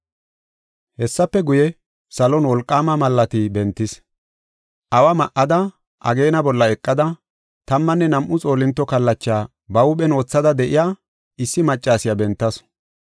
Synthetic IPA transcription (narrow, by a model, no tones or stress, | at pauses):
hɛsːɐpːɛɡʊjɛ | sɐlɔnwɔlkʼːaːmɐmɐlːɐt̪ɪbɛnt̪ːɪs | ʔɐwɐmɐʔɐd̪ɐ | ʔɐ̰ɡe̞ːnɐbɔlːɐɛkʼːɐd̪ɐ | t̪ɐmːɐnːɛnɐmʔʊt͡sʼo̞ːlɪnt̪ːɔkɐlːɐt͡ʃːaː | bɐʊɓɛno̞ːt͡sːɐd̪ɐd̪ɛʔɪjaː | ɪsːɪmɐt͡ʃʼːaːsɪjabɛnt̪ːɐs